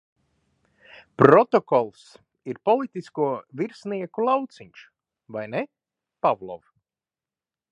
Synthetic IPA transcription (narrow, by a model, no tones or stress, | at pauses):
pɾɔt̪ɔkɔlˠs | iɾpɔlˠit̪iskuɔviɾsniɛkulˠawt̪siɲʲʃ | vajnɛ | pavlˠɔ̰v